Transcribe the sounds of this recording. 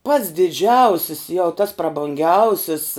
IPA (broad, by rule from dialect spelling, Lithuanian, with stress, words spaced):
pɐts dʲɪˈd͡ʒʲɛʊsʲɪs jɛʊ tɐs prɐbʊŋʲˈɡʲɛʊsʲɪs